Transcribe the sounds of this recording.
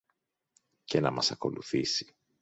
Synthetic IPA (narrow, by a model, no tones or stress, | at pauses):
ce̞nɐmɐsɐko̞luθisi̥